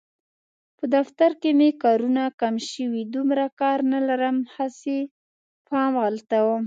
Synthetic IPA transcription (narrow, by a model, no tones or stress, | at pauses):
pəd̪aft̪aɾkemekɑɾunakamʃəwid̪umɾakɑɾnalaɾəmhase | fɑmɣalt̪awəm